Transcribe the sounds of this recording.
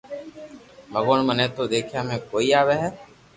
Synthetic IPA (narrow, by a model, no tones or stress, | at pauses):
bəɡoːɳmənẽːt̪oːd̪eːkʰjaːmẽːkoːiːaːʋeːɦɛː